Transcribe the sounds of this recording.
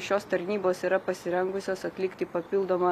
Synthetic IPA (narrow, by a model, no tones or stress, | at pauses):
ʃʲoːst̪ɐɾʲnʲiːboːsiːɾɐpɐsʲɪɾʲɛŋɡʊsʲoːsɐt̪ʲlʲɪkt̪ʲɪpɐpʲɪlˠd̪oːmɐ